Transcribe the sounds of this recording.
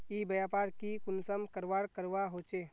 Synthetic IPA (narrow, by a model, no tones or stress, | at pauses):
iːbəjaːpaːɾkikʊnsəmkəɾʋaːɽkəɾʋaɦoːt͡ʃeː